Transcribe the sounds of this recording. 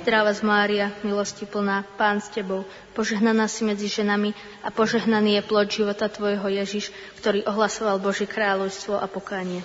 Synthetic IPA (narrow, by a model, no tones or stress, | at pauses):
zd̪ɾaʋazmaːɾiamilɔscipl̩naːpaːnscɛbɔʊ | pɔʒɛɦnanaːsimɛd͡ziʒɛnami | apɔʒɛɦnaniːjɛplɔɟʒiʋɔt̪at̪ʋɔjɦɔjɛʒiʃ | kt̪ɔɾiːʔɔɦlasɔʋalbɔʒjɛkɾaːʎɔʊst̪ʋɔʔapɔkaːɲɪɛ